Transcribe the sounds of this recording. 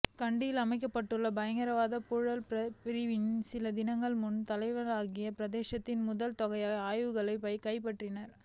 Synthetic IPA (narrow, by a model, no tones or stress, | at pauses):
kɐɳɖɪjɪlɐmɐɪk̬ːɐpːɐʈːɯɭːɐbɐjɐŋɡɐɾɐʋaːðɐpʊɻɐlpɐpɪɾɪʋɪnsɪlɐd̪ɪnɐŋɡɐɭmʊnt̪ɐlɐɪʋɐlaːɣɪjɐpɪɾɐðeːʃɐt̪ːɪnmʊðɐlt̪ɔɣɐɪaaːjʋɯɣɐɭɐɪpɐɪkɐɪpɐʈrɪnɐɾ